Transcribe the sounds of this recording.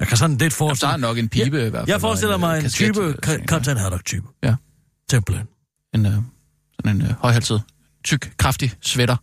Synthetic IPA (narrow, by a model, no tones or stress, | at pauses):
jakʰæsɒ̽d̥n̩led̥fɒːsɑnɒ̽ɡ̥e̝npʰiːb̥əʋæɐ̰jɑ̈ɪfɒːsd̥el̰ɐmɑ̈ɪenst͡sʰyːb̥əkʰɒt͡sʰenhæd̥ɒɡ̥t͡sʰy̰ːb̥əjæ | t͡sʰemb̥len | e̝n | sɒne̝nhɒ̽ɪæl̰sð̩ˠ | t͡sʰyɡ̥kʰʁɑ̈fd̥isʋeɾɐ